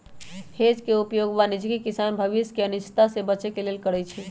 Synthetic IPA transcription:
hed͡ʒkeupjoɡbanid͡ʒɡikisanbʱəʋiskeənust̪asebət͡ʃekelelkəɽɛt͡ʃʰi

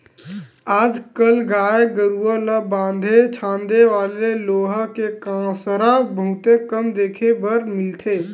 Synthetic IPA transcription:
aːd͡ʒkəlɡaːeɡəɾuələbãːnd̪ʱet͡ʃʰãːnd̪eʋaːleloːɦəkekãsɾabʱũt̪ekəmd̪eːkʰebəɾmɪlt̪ʰeː

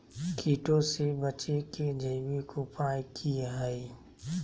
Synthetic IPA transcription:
kʰiːʈõsebət͡ʃeked͡ʒəːbikopaːikʰijaɦəi

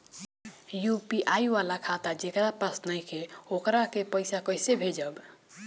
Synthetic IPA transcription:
jupiʔajʋalakʰat̪ad͡ʒekɾapəsnəjkʰeokɾakepəɪsakəjsebʱed͡ʒəb

